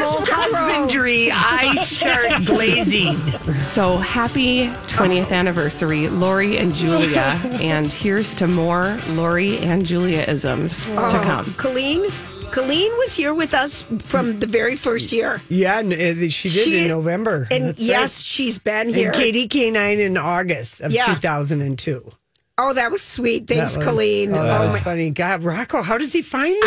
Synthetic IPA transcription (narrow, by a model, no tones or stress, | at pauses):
kʰɑzmɪ̃nd͡ʒə˞iaɪsɛɹɡleɪzisoʊhæpitʰwɛ̃ɾ̃iɨθænɨvɜ˞sə˞ilɔɹiɨ̰̃nd͡ʒʉlˠiɨʔɨ̃nhiɹz̥tʰɨmɔɹlɔɹiɨ̃nd͡ʒʉlˠiɨʔɪ̰zə̰̃mz̥tʰɨkʰʌ̰̃mkʰəlĩn | kʰəlĩnwʌz̥hiɹwɨðʌsfɹʌ̃mðɨvɛɹifɜ˞st̚jɪɹjænɨʃidɪɾɨ̃nːoʊvɛ̃mbə˞ɨ̃njɛsʃizbɨ̃nhĩɹkʰeɪɾikʰeɪnãɪ̃nɨ̃nɔɹɡɨstʌv̥ætʰʉθaʊzɨ̃ndɨ̃ntʰʉ | oʊðɨt̚wʌz̥swit̚θæ̃ŋkskʰəlĩnoʊfʌniɡɑd̚ɹɑkl̩ˠɦaʊɾʌz̥ifãɪ̃n